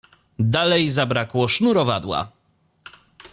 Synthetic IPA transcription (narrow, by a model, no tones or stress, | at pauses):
d̪alɛjzabɾakwɔʂnuɾɔva̰d̪wa̰